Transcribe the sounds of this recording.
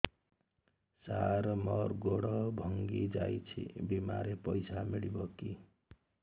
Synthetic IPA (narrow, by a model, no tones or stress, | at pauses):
saɾmʌrɡoɽʌbʱʌŋɡid͡zajt͡sʰḭbima̰ɾepʌjsʰamiɽibʌki